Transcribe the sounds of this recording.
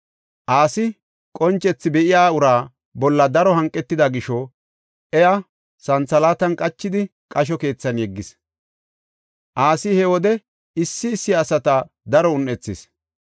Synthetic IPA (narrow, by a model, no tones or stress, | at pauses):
ʔaːsɪ | kʼɔnt͡ʃʼːɛt͡sːɪbɛʔɪjaːʊɾaː | bɔlːɐd̪ɐɾɔɦɐŋkʼːɛt̪ːɪd̪ɐɡɪʃɔ | ʔɛjɐ | sɐnt͡sːɐlaːt̪ɐnkʼɐt͡ʃːɪd̪ɪkʼɐʃ̬ɔke̞ːt͡sːɐnjɛɡːɪs | ʔaːsɪhɛwɔd̪ɛ | ɪsːɪːsːɪɐsɐt̪ɐ | d̪ɐɾɔʊnʔɛt͡sːɪs